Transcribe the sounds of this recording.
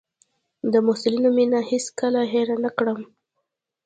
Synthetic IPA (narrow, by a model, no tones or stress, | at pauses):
d̪əmʊhsɪlinominaheskəlaɦeɾanakɽəm